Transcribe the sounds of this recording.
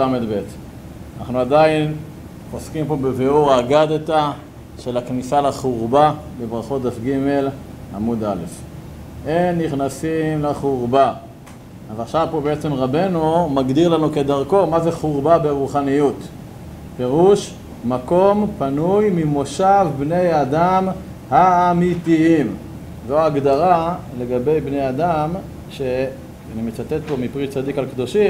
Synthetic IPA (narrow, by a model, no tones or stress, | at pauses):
amedbet̪ | anaχnuadain | oskimpo̞beveoʁaɡad̪eta | ʃelaknisalaχuʁbabebʁaχo̞td̪afɡime̞lamud̪ale̞f | ʔenːiχnasimleχuʁba | avaχʃavpobe̞et͡se̞mʁabe̞numaɡd̪iʁlanuke̞d̪aʁko̞maze̞χuʁbabe̞ʁuχanijut̪ | pe̞ʁuʃ | mako̞mpanujmimo̞ʃavbne̞jad̪am | haːmit̪iim | zoaɡd̪aʁale̞ɡabejbne̞jad̪am | ʃe | animet͡sat̪et̪̚po̞mipʁit͡sad̪ikalkd̪o̞ʃim